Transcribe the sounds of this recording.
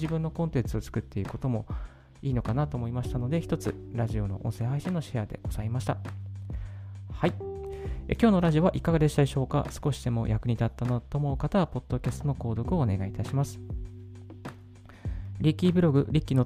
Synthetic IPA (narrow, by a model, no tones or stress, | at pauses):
ibɯ̟nːo̞kõnt̪ẽ̞nt͡sɨo̞t͡sɨ̥kɯ̟t̪ːe̞iɯ̟̥ko̞t̪o̞mo̞ | iːno̞kanat̪o̞ːmo̞imaɕi̥t̪ano̞d̪e̞çi̥t̪o̞t͡sɨ̰ɾaʑio̞no̞̰ʔõ̞ɰ̃sẽ̞ːɦaiɕino̞ɕead̪e̞̰ɡ̥o̞z̥aimaɕi̥t̪a | hai | ḛkʲo̞ːno̞ɾaʑio̞βaʔikaɡad̪e̞ɕi̥t̪aiɕo̞ːka̰sɨ̥ko̞ɕi̥d̪̥e̞mo̞̰jʔakɯ̟ɲ̟it̪at̪ːanot̪o̞mo̞ɯ̟kat̪aβapo̞d̪̥ːo̞kʲasɨt̪o̞no̞ko̞ːd̪o̞kɯ̟o̞ːne̞ɡait̪aɕimasɨ̥ | ɾʲikʲːibɯ̟ɾo̞ɡɯ̟ɾʲikʲːino̞